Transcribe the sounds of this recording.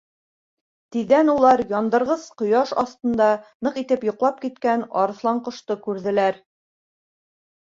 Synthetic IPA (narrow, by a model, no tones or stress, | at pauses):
t̪iðːænulˠɑɾjɒnd̪ɤ̆ɾʁɤz̥qŏjɑʃɒst̪ɤ̆nd̪ɑnɤqit̪ɘpjŏqlˠɑp̚kit̪kænɒ̰ɾɤ̆θlˠɑɴqŏʃt̪ɤkʉɾðɘ̆læɾ